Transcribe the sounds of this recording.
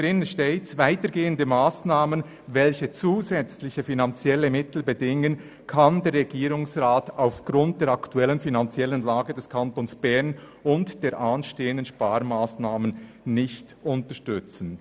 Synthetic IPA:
ʁɪnənʃteːvaɪtəɾɡeːəndəmaːsnaːmən | vɛlçət͡suːzɛt͡slɪçəfinant͡sjɛləmɪtl̩bədɪŋən | kʰandeːɾʁɛɡiːɾʊŋsʁaːtaʊfɡ̥ʁʊnt̚d̥eːɐɾaktuɛlənfinant͡sjɛlənlaːɡədɛskʰantonsb̥ɛɐn | ʊntd̥eːɾʔanʃteːəndənʃpaːɾmaːsnaːmən | nɪçtʊntəʃtʏt͡sn̩

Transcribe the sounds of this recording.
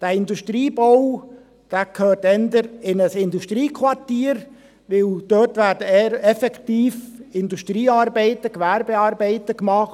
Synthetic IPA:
d̥æːɪnduʃtɾiːbow | d̥æːkʰøːrtɛnd̪əɾɪnəsɪnduʃtɾiːkʰʋɑrtiːəɾ | ʋɪld̥øtʋæːɾdəɛɾɛfɛktiːfɪnduʃtɾiːɑːɾbɛɪtəkʋæɾbeɑːɾbɛɪtəkmɑχ

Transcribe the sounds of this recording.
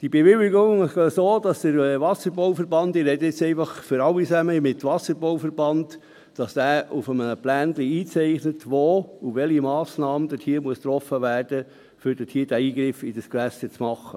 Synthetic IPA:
d̥ibeʋɪlɪɡoŋɪʃsoːd̥ɑsd̥əɾʋɑsəɾboʊfəɾbɑndɪɾhɛd̪ɪt͡sɛɪfɑχføɾɑwisæməmɪt̪ʋɑsəɾbowfəɾbɑnd | d̥ɑsd̥̪æːufəmənəplæːnd̪liiːt͡sɛɪχnətʋoːuʋɛlimɑːsnɑːməd̥̪ətʰiːɾmuəst̪ɾɔfəʋæːrd̥ə | fʏɾd̥ətʰiːɾd̥æiːɡɾɪfid̥əskʋæsət͡smɑχːə̰

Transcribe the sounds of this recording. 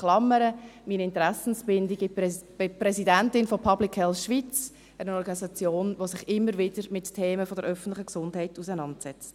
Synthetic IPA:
χlɑmːəɾəmiːnɪntəɾæsn̩sb̥ɪndiɡi̥ | ɪprɛsidæntɪnfɔpʰɑblikʰhɛlsʃʋit͡s | ənənɔɾɡɑnisɑt͡sjoːnʋosɪχɪmːəɾvɪd̥əɾmɪttʰeːməfɔd̥əɾʔœfən̩tlɪχəksʊndɦɛɪtusənɑntsɛt͡st

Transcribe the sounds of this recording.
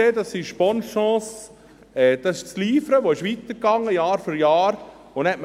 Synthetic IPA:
eːd̪ɑsːiʃpɔnʃɑ̃ːs | ɛːd̥̪ɑsɪʃt͡sliːfəɾəʋoɪʃʋit̪əɾkɑŋːəjɑːɾfyɾjɑːɾ | onhɛtm

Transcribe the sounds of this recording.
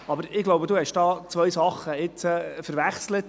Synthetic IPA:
ɑbəɾɪɡ̥loʊbəd̪uhɛʃd̥ɑːt͡sʋœjsɑχːəɪt͡sfəɾʋæχslət̪

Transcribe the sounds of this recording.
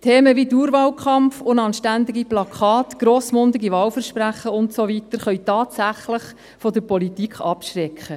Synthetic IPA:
t̪ʰeːməʋiduːɾʋɑːlkʰɑmfʊndɑːnʃtænd̪ɪɡiplɑkχɑːt̪ɡ̥ɾoːsmʊnd̪ɪɡiʋɑːwfəɾʃpɾæχːəʊntsoʋitəɾχœɥtɑːtsæχləχ | fɔdəɾpɔlitikχɑpʃɾɛkχə

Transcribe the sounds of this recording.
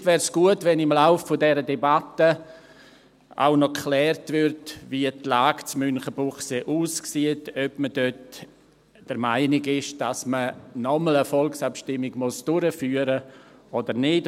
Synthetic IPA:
tvɛːɾsɡ̥uətvɛnɪmlaʊfːodɛɾədɛbatə | ʔa̰ʊnɔkχlɛːrtvɪɾtviətlaːɡt͡smʏnχəbʊχseʔuːsksiətœpməd̥øt | d̥əɾmaɪnɪɡɪʃd̥asmənɔmələfɔlksapʃtɪmːɪɡmʊsd̥ʊɾəfyːəɾəʔɔdəɾnɪt

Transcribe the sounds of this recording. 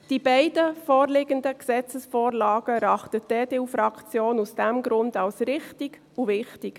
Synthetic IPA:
d̥ibɛɪdəfoːɾlɪɡəndəksɛt͡səsfoːɾlɑːɡ̥əɾɑχtəd̥eːdeːufɾɑkʰt͡sjoːnusd̥ɛmɡɾʊndɑlsɾɪχtiɡ̥ | uvɪχtiɡ̥

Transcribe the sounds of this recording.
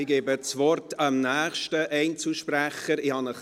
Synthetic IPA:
ɪɡeːbət͡sʋɔrtɑmnæːχʃtəʔɛɪnt͡suʃpɾæχəɾɪhɑnəχ

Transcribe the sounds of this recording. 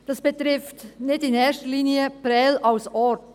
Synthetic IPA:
d̥ɑsb̥ətɾɪftnɪdɪnɛːʃtəliːniəpɾɛːlʔaʊsɔt

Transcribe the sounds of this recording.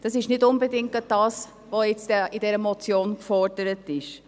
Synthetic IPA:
d̥ɑsɪʃnɪdʊnbedɪŋkəd̥ɑːs | ʋoɪt͡sd̥ɛɪdɛɾəmɔt͡sjoːnkfɔɾdəɾətɪʃ

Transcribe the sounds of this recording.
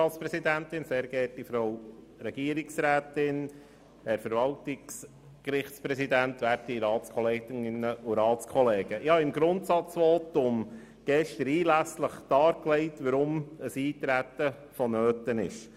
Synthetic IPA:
ɑːspɾɛsid̪ænt̪ɪnseːɾɡ̥ɛːtifɾow | ɾɛɡ̥iəɾiksɾæːt̪ɪn | hɛɾfəɾvɑltɪks | kɾɪχtt͡spɾɛsid̪ænt̪ʋæːɾtiɾɑːtt͡skʰɔleːɡɪnɪnːəʔuɾɑːtt͡skʰɔleːɡəʔɪhɑɪmɡɾʊntsɑt͡sʋoːt̪ʊm | ɡ̥ɛʃtəɾiːlæsləχd̥ɑːɾklɛɪt̪ʋəɾʊməsiːt̪ɾæt̪ə | fɔnøːt̪ənɪ̰ʃ

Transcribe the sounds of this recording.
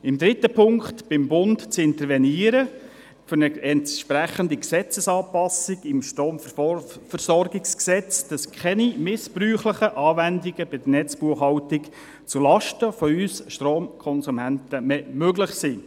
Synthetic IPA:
ɪmd̪ɾɪtːəpʰʊŋktb̥ɪmbʊntt͡sɪnt̪əɾʋɛniəɾə | fʏɾnəɛntʃpɾæχəndiksɛt͡səsɑːpɑsiɡɪmʃtoːmffərsɔrɡɪksksɛt͡sd̥ɑskʰɛnimɪspryːχləχəʔɑːvændiɡəbɪd̥̪ənɛt͡sb̥uəχhɑwtɪk | t͡sulɑʃtəfɔyːsʃtroːmkʰɔnsumæntəmɛmøɡləχsiː

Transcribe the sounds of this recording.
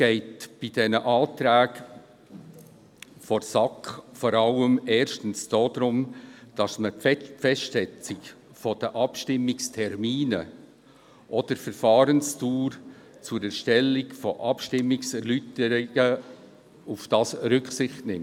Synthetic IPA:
ɡ̥ɛɪtb̥id̥ɛnəʔɑːtɾæːɡ | fɔɾsɑkfɔɾɑləmɛːɾʃtən̩sd̥oːd̥ɾʊmd̥ɑsməfɛʃtsɛt͡sɪk | fɔd̥əʔɑpʃtɪmːɪkstʰɛɾmiːnə | ʔɔd̥əɾfɛɾfɑːɾənstuːɾ | t͡sʊɾɛɾʃtɛlːɪkfɔʔɑpʃtɪmːɪksɛɾlytəɾɪɡ̥ə | ufd̥ɑːsɾʏksɪχtnɪmt

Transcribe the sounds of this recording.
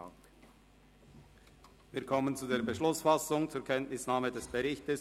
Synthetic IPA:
viːɐkʰɔmənt͡sudeːɐbəʃlʊsfasʊŋt͡suːɐkʰɛntnɪsnaːmədɛsb̥əʁɪçtəs

